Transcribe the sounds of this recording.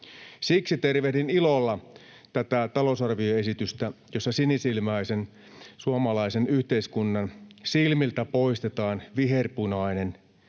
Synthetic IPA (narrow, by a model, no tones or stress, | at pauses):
siksit̪e̞rʋehdinilolːɑ | t̪æt̪æt̪ɑlo̞sɑrʋioe̞sit̪yst̪æjosːɑsinisilmɑisen | suɑmɑlɑisenyht̪eiskunːɑnsilmilt̪æpo̞ist̪et̪ɑːnʋiɦerpunɑinen